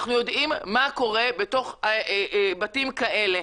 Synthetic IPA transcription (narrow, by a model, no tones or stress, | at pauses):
χnujo̞dʔimːako̞ʁe̞beto̞χabatimkaʔe̞le̞